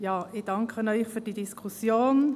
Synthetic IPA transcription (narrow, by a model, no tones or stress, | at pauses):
jɑːɪd̥ɑŋkʰənɔʏχfyːɾd̥idiskʰusjoːn